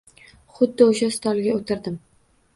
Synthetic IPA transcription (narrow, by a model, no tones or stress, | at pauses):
χʊd̪ːɪoʃast̪ʰɒlˠɡʲaot̪ʰɪɾd̪ɪm